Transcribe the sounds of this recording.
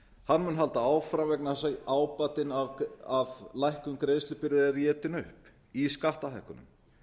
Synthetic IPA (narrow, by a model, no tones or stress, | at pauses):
hanːmʏnɦalt̪aaːwfɾamvɛk̚naasaaːwpat̪ɪnaavlajhkʏmkɾeːðst̪ʏpɪɾɪðarjɛːt̪ɪnʏhp | iskaht̪aθɛhkʏnʏ̰m